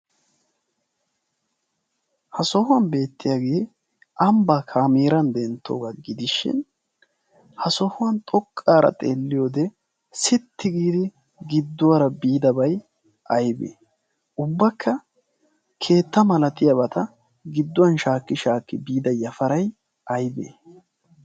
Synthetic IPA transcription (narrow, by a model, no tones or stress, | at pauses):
hɐsɔhʊwɐnbe̞ːt̪ːɪjaːɡe̞ː | ʔɐmbakʰaːmeːɾɐnd̪ɛnt̪ːo̰ːɡɐɡɪd̪ɪʃɪ̰n | hɐsɔhʊwɐnt̪ʼɔkʼːaːɾɐ̰t̪ʼḛːlːɪjoːd̪ɛ | sɪt̪ːɪɡiːd̪ɪ | ɡɪd̪ːʊwɐɾɐbiːd̪ɐbɐj | ʔɐjbḛː | ʔʊbːɐkːɐ | kʰe̞ːt̪ːɐmɐlɐt̪ɪjɐbɐt̪ɐ | ɡɪd̪ːʊwɐnʃaːkːɪʃaːkːɪbiːd̪ɐjɐfɐɾɐj | ʔɐjbḛː